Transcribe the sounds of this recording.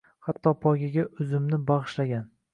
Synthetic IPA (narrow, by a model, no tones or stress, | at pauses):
hat̪ʰːɒpʰɒɡʲaɡʲaʔʊzɪmnɪbɑʁɨʃlaɡʲan